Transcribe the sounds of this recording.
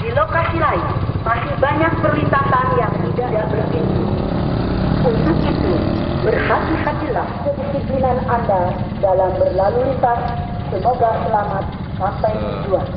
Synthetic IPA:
dilokasilainmasibaɲak̚pərwint̪asanjaŋsidadaʔbərʔiu | unt̪ʊk̚it̪ubərhat̪ihat̪ilahkəkəsipinananda | dalambərlaluɾit̪asː | əmoɡasəlamat̪̚ | pap̪ajd͡ʒua

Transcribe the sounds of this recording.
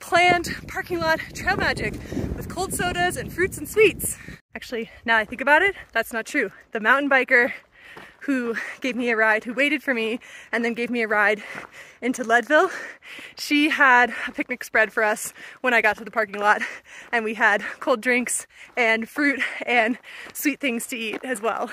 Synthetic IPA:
pʰl̥æ̃npʰɑɹkɪ̃ŋlɑtʰɹ̥eɪlˠmæd͡ʒɪkwɨð̥kʰoʊlˠd̥soʊɾəzɨ̃nfɹʉtsn̩swits | æk̚t͡ʃʉl̩ˠinaʊaɪθɪ̃ŋkɨbaʊɾɪt̪̚ðætsnətʰɹ̥ʉðɨmãʊ̃ʔn̩baɪkə˞ | huɡ̥eɪvmiɨɹaɪd̚hʉweɪɾɨd̥fə˞miɨ̃nðɨ̃nɡeɪvmiɨɹaɪɾɪ̃ntʉlɛdvɪlˠʃiəɾɨpʰɪk̚nɨksb̥ɹɛd̥fə˞ʌswə̃ɾ̃aɪɡɑtʰɨðəpʰɑɹkɪ̃ŋlɑt̚ɨ̃nwiɨd̚kʰoʊlˠdɹɪ̃ŋksɨ̃nfɹʉɾɨ̃nswit̪̚θɪ̃ŋz̥tʰɨiɾɨzwɛ̰lˠ

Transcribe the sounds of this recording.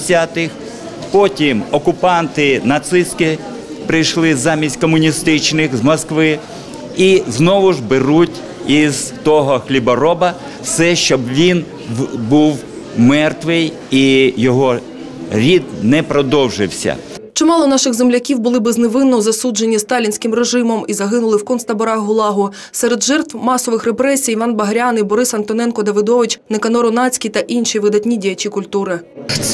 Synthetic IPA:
sʲat̪ɪx | pɔtʲimɔkʊpɑnt̪ɪnɐt̪sɪst̪kɪ | pɾɪjʃlˠɪzɑmʲisʲtʲkɔmʊnʲist̪ɪt͡ʃnɪxzmɔskʋɪ | iznɔʋʊʒbɪɾutʲ | izt̪ɔɦɔxlʲibɔɾɔbɐ | sɛʃt͡ʃɔbʋʲin | buw | mɛrt̪ʋɪj | ijɔɦɔ | ɾʲid̪nɛpɾɔd̪ɔwʒɪwsʲɐ̰ | t͡ʃɪmɑlˠɔnɑʃɪɣzemlʲɐkʲiwbʊlˠɪbezneʋɪnːɔzɐsud͡ʒenʲːist̪ɑlʲinʲsʲkɪmreʒɪmɔmizɐɦɪnʊlˠɪwkɔnst̪ɐbɔɾɑɦʊlˠɑɦʊ | sɛɾed̪ʒɛrt̪wmɑsɔʋɪxrepɾɛsʲijiʋɑnbɐɦɾʲanibɔɾɪsɐnt̪ɔnɛnkɔd̪ɐʋɪd̪ɔʋɪt͡ʃnɪkɐnɔɾʊnɑt͡sʲkʲijt̪ɐʔinʃiʋɪd̪ɐtʲnʲidʲijɐt͡ʃʲikʊlʲt̪uɾɪ

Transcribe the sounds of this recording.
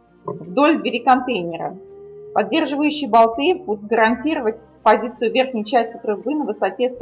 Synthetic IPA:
vd̪o̞lʲd̪ʲvʲɪɾʲɪkɐnt̪ejnʲɪɾə̰pɐdʲːe̞rʐɨvəjʉɕːɪjbɐlˠt̪ɨbud̪ʊt̪̚ɡəɾɐnʲtʲiɾəvətʲ | pɐzʲit̪sɨjʊvʲe̞rxnʲəjt͡ɕæsʲtʲɪt̪ɾʊbɨnəvɨsɐtʲest̪

